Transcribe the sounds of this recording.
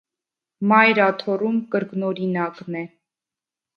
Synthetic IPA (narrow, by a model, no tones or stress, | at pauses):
mɑjɾɑt̪ʰɔrumkəɾknɔɾinɑknɛ